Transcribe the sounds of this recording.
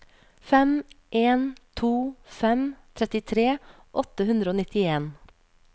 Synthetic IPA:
fɛm | ʔeːnt̪ʰuːfɛmt̪ʰɾɛt̪ɪt̪ʰɾeː | ʔɔt̪əhʉnd̪ɾəoːnɪt̪ɪeːn

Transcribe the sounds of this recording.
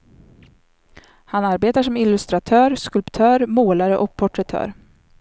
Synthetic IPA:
hanaɾbeːt̪aʂɔmɪlːɵst̪ɾat̪ʰœːɾskɵlpt̪ʰœːɾmoːlaɾəʔɔk̚pʰɔʈɾɛt̪ʰœ̰ːɾ

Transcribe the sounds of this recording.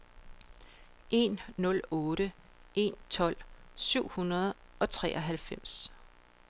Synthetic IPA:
ʔe̝nːɔ̽lɔ̽ːɾə | ʔe̝nt͡sʰɒ̽l̰syʊ̰hunɐð̞̩ˠʔɒ̽t͡sʰʁɛ̰ʔɒɦælfem̰s

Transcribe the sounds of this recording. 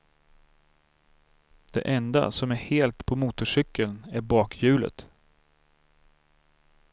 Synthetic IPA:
d̪̥ɛ̰ʔɛnd̪a̰sɔmæɾheːlt̪pʰɔmuːt̪ʊʂʏkːəlnæɾbɑːkʰjʉ̟ːlə̰t̪

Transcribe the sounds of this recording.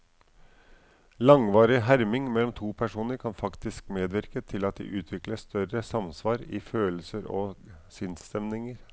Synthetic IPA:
lɑŋʋɑːɾɪɦæɾmɪŋmɛlːɔmt̪ʰuːpʰæʂuːnəɾkʰɑnfɑkt̪ɪskmeːd̪ʋɪɾkət̪ʰɪlɑt̪̚d̪ḭːʔʉːt̪ʰʋɪkləst̪œɾəsɑmsʋɑːɾɪ̰føːlsəɾo̰sɪnst̪ɛmnɪŋəɾ

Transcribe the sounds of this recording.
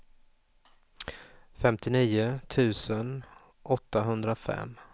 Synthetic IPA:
fɛmt̪ɪniːʊt̪ʰʉ̟ːsən | ʔɔt̪ːaɦɵnd̪ɾafɛ̰m

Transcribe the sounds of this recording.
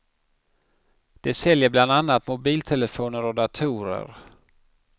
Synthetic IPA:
d̪̥ɛsɛljəbland̪anːat̪mʊbiːlt̪ʰɛləfoːnəɾɔd̪at̪ʰuːɾə̰ɾ

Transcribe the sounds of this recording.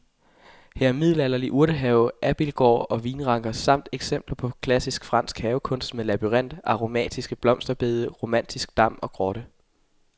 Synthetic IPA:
hæɐæɐmið̞̰ˠlælɐliʔuɐɾ̥əɦɛːʊʔæb̥ilɡ̥ɒ̰ːɒ̽ʋiːnʁɑ̈ŋ̰ɡ̥ɐsɑ̈m̰d̥eɡ̥sem̰b̥lɐpʰɒ̽kʰlæsisɡ̥fʁɑ̈n̰sɡ̥hɛːʊkʰɔ̽n̰sd̥meðlæb̥yʁɛn̰d̥ɑ̈ʁo̝mɛ̰ːd̥isɡ̥əb̥lɒ̽m̰sd̥ɐb̥e̝ːðˠəʁo̝mæn̰d̥isɡ̥̚d̥ɑ̈m̰ɒ̽ɡ̥ʁɒ̽ɾ̥ə

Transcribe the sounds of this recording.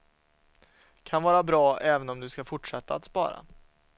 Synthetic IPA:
kʰanvɑːɾabɾɑːʔɛːvənɔmd̪ɵskafʊʈʂɛt̪ːaat̪spɑ̰ːɾa̰

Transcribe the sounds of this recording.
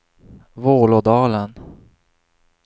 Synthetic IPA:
voːlɔd̪ɑːlən

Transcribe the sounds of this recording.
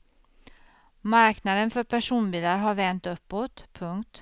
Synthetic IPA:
maɾknad̪ənfœɾpʰæʂuːnbiːlaɾɦaɾvɛnt̪ɵpːoːt̪pʰːɵŋkt̪

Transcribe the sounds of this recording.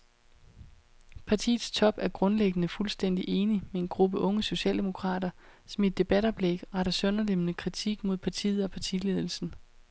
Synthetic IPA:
pʰɑ̈t͡sʰḭːðˠst͡sʰɒ̽b̥æɐɡ̥ʁɔ̽nleɡ̥ənəfulsd̥en̰d̥iʔe̝ːnimee̝nɡ̥ʁub̥əʔɔ̽ŋəso̝ɕɛ̰ːld̥e̝mo̝kʰʁɑ̰̈ːɾ̥ɐ | sɒ̽mid̥ːe̝b̥ædɒ̽b̥leɡ̥ʁɑ̈ɾɐsɔnɐlemnəkʰʁit͡sʰiɡ̥mo̝ð̞̰ˠpʰɑ̈t͡sʰḭːð̞̩ˠɒ̽pʰɑ̈t͡sʰḭle̝ð̞ˠl̩sn̩

